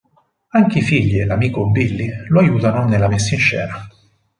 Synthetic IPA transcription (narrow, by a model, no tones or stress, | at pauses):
aŋk̟eifiʎːielamiːkobilːiloajuːt̪anonelːamesːaint͡ʃːɛ̰ːna